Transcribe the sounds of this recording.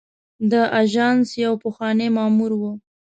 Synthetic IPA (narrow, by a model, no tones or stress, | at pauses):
d̪əʔaʒɑnsjawpəxwɑnemɑmuɾwu